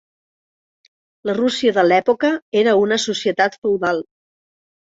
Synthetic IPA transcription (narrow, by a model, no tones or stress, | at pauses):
lərusiəðəlɛpokəeɾəunəsusiət̪at̪fəwðalˠ